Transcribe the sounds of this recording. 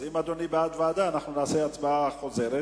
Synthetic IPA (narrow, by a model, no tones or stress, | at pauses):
imad̪onibead̪vead̪aːnaχnunaːseat͡sbaaχozeɾe